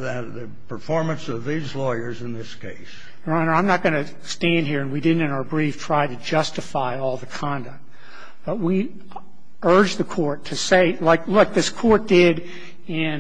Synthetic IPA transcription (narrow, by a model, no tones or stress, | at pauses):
ðɨ | pʰə˞fɔɹmɨ̃nsʌvðizlɔɪə˞zɨ̃nðɪskʰeɪs | ɹãɪ̃nə˞ãɪ̃mnət̚ɡ̥ʌnɨ | stæ̃nd̚ɦiɹɨ̃nwidɪdⁿn̩tɨ̃naʊə˞bɹiftʰɹ̥aɪɾɨd͡ʒʌstɨfaɪɔlˠðɨkʰɑ̃ndɨk̚t̚ | b̥ʌt̚wi | ɜ˞d͡ʒðɨkʰɔɹtʰɨseɪlaɪklʊk̚ðɪskʰɔɹt̚d̥ɪɾ | ɪ̃n